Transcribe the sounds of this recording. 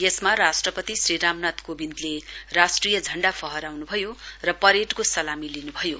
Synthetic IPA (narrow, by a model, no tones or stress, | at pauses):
jesmarasʈrʌpʌt̪isriɾamnat̪kobind̪lerasʈrijʌd͡zʱʌɳɖapʰʌɦʌɾawnubʱʌjorʌpʌɾeʈkosʌlamilinubʱʌjo